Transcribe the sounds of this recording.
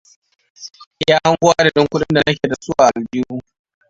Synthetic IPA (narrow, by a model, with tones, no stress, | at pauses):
jaː˦ha˦ŋɡʷʊ˦ʔa˦da˨dɪ˦ŋkʷʊ˦ɗɪ˦nda˨nɐ˦kʲeː˨da˨sʊ˦waː˨ʔa˨lbɪ˦ju˦